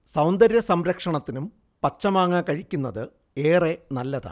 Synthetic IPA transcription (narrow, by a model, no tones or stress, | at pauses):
sɐwnd̪ɐɾjɐsɐmɾɐkʂɐɳɐt̪ːinum | pɐt͡ɕːɐmaːŋːakɐɻikʲːunːɐðɨ | eːre̞nɐlːɐða̰